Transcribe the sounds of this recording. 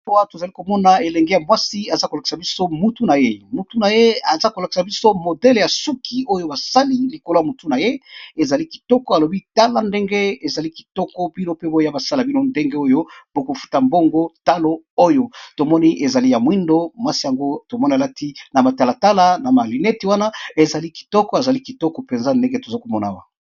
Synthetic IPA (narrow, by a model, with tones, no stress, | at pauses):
wa˦to˨za˨li˦ko˨mɔ˦na˨e˨lɛ˨ŋɡe˦ja˨mwa˦si˦a˨za˦ko˨la˨ki̥˨sa˨bi˦so˦mu˦tu˦na˨je˦mu˨tu˦na˨je˦a˨za˦ko˨la˨ki̥˨sa˨bi˦so˦mo˨dɛ˦lja˨su˦kʰi˨o˦jo˦ba˨sa˦li˦li˨ko˨lo˦ja˨mu˨tu˦na˨je˦e˨za˨li˦ki̥˨tɔ˦kɔ˦a˨lo˨bi˦ta˦la˦nde˦ŋɡe˦e˨za˨li˦ki̥˨tɔ˦kɔ˦b̥i˦no˦pe˦bo˦ja˦ba˨sa˦la˨bi˦no˦nde˦ŋɡe˦o˦jo˦po˦ko˨fu̥˦ta˨mbo˦ŋɡo˦ta˦lo˦ | o˦jo˨to˨mɔ˦ni˦ʔe˨za˨li˦ja˨mwi˦ndo˦mwa˦si˦ja˨ŋɡo˦to˨mɔ˦ni˨a˨la˦tʰi˦na˨ma˨ta˨la˨ta˦la˦na˨ma˨li˨nɛ˦ti˨wa˦na˦e˨za˨li˦ki̥˨tɔ˦kɔ˦a˨za˨li˦ki˨tɔ˦kɔ˨pe˨nza˦nde˦ŋɡe˦to˨za˦ko˨mɔ˦na̰˨wa˦˨